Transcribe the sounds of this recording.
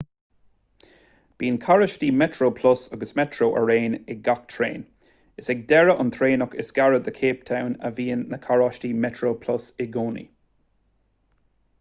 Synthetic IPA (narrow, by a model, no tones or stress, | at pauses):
b̥iːənkʰaɹəʃtiːmɛtɹoːpʰlʊsɔɡəsmɛtʰɹoːʔə̰ɹeːnɪɡakt̪ʰɹḛːn | ɪsɛɡ̚dɛɹəʔənt̪ʰɹeːnɔkɪsɡ̥aɹəd̪əkʰeːp̚tʰawnə̰viːənːəkʰaɹɔʃtimɛtʰɹoːpʰlʊsɪɡoːnḭ